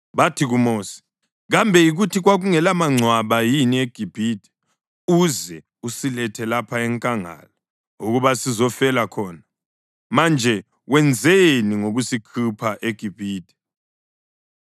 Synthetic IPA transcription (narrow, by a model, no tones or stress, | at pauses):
βatʰiɣumoːsi̥ | ɣambʱɛjiɣutʰiɣwaɣuŋɛlamaŋ͡ǀʱwaβajinieɡ̥ʱib̥ʱiːd̥ʱɛ̥ | uzɛ | usilɛtʰɛlapʰaɛŋkʼaŋa̰la | uɣuβasizɔfɛlakʰɔːna | mand͡ʒʱɛ | wɛnd͡zʱeniŋoɣusikʰupʰaʔeɡ̥ʱib̥ʱiːd̥ʱɛ̥